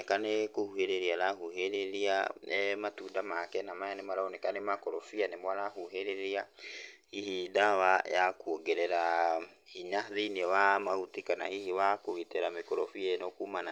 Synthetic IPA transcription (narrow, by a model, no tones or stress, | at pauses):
ɛkanekohuheɾeɾiaɾahuheɾeɾia̰ɛmatuːdamakɛnamajanemaɾaɔnɛkanemakɔɾɔfianemwaɾaɦuɦeɾeɾiahihidawajakuoɡeɾeɾa | hiɲaðiinewamahutikana̰hihiwakohiteɾamekɔɾɔfienɔkuːmana